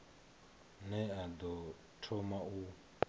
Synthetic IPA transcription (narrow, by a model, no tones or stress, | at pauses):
nɛad̪ɔ | tʰɔmau